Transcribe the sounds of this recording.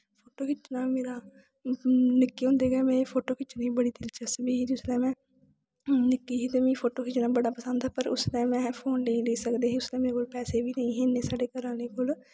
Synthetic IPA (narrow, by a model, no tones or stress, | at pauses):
pʰoːʈoːkɪt͡ʃnaːmeːɾaː | nɪkːiːɦʊ̃nd̪eːɡɛːmɛ̃ːpʰoːʈoːkɪt͡ʃnĩːbəɽiːd̪ɪlt͡ʃəsbiːɦiːd͡ʒ̪ʊslɛ̃ːmɛ̃ː | nɪkːiːɦiːt̪eːmĩːpʰoːʈoːkɪt͡ʃnaːbəɽaːpəsə̃nd̪aːpəɾʊ̰slɛ̃ːmɛ̃ːpʰoːnleĩːleːsəkd̪eːɦĩːʊslɛ̃ːmeːɾekoːlpɛːseːbiːnəĩːɦeneːsaːɖeːkəɾãːleːkoːl